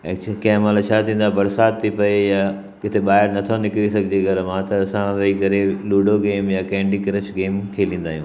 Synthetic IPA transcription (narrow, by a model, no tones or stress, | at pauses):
ekt͡ɕʰkɐ̃ɦmalat͡ɕʰat̪ʰĩːnd̪abɐɾsaːt̪̚t̪ʰːipɐeja | kɪt̪ʰeɓaːɦɪɾnɐt̪ʰonɪkɪɽisɐɡʱɪd͡ʑeɡʱɐɾmãt̪ɐːsãʋɐikɐɾeluːɖoɡeːmjakɛ̃ːɳɖikɐɾəʃɡeːmkʰeːlĩːn̆d̪aːɦijũː